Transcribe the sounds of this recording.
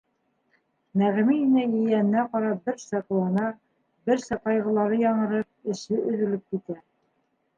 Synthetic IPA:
mæʁmiinæjɘ̆jæn̆nːæqɑɾɑbɘɾsɑqlˠɑnɑ | bɘɾsæqɑjʁɤ̆lˠɑɾɤjɑɴɤ̆ɾɤp̚ɘ̆ʃɘʔɵ̆ðɘ̆lɘp̚kit̪æ

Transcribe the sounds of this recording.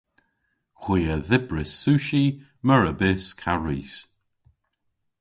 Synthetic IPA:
xwiːəðɪbɹɪsːuːʃi | məɹəbɪskʰaɹiːs

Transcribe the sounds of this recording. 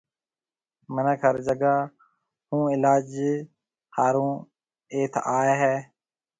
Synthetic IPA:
mənaːkʰəɾd͡ʒəɡaː | hũːɪlaːd͡ʒ | haːɾũː | eːt̪ʰaːeɦɛː

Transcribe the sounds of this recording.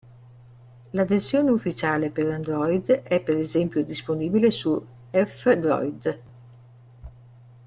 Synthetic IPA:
laversjoːneufːit͡ʃaːlepeɾand̪ɾɔjd̪ɛpːeɾezɛmpjod̪isponiːbilesu | ɛfd̪ɾɔ̰jd̪

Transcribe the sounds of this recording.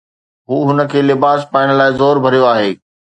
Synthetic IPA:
ɦuːɦʊnə̆kʰeːlɪbaːspaːɪɽ̃laːɪzoːɾbʱɐɾijoaːɦeː

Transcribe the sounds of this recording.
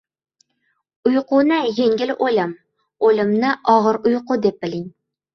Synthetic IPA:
ujqʰʊnɪjeŋʲɪlʔolɪm | olɪmnɪʔɑʁəɾʊjqʊd̪ep̚bɪlɪŋ

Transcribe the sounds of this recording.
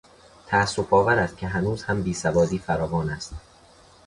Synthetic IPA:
t̪ʰæːsːofɒːvæɾæst̪̚kcʰe̞ɦænuːz̥hæmbiːsævɒːd̪iːfæɾɒːvɒːnæst̪

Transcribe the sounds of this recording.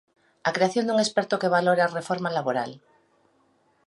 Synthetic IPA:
akɾeaθjond̪uŋespɛɾt̪okeβaloɾearefoɾmalaβoɾal

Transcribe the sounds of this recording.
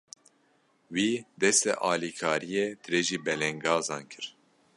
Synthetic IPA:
wiːd̪ɛst̪ɛ̰ʔɑːlikʰɑːɾijeːt̪ʰɨɾeʒiːbɛlɛŋɡɑːzɑːnkʰɨɾ

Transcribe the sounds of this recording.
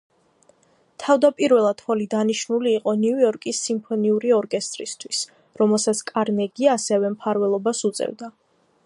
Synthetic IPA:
t̪ʰavd̪apʼiɾvɛlˠad̪̥hɔlid̪aniʃnuliːqʼɔnuujɔɾkʼisːimpʰɔniuɾiɔɾkʼɛst̪ʼɾist̪ʰwis | ɾɔmɛlˠsat̪sʰkʼaɾnɛɡiaːsɛvɛmpʰaɾvɛlˠɔbasut̪sʼɛ̰vd̪a

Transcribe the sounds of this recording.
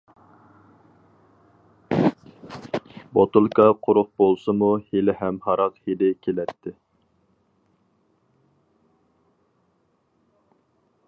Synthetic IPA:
bot̪ulˠkʰɑqʰʊɾʊq̚bolˠsɨmuhelɪɦɛmhɑɾɑqhelɪkʲʰelɛt̪ʰːɪ

